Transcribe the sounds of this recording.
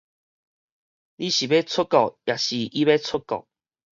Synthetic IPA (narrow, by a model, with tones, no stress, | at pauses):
li˦ɕi˨be˦t͡sʰʊ˦kɔ˨k̚ja˨˩ɕi˨ʔi˦be˦t͡sʰʊ˦kɔ̰˨k̚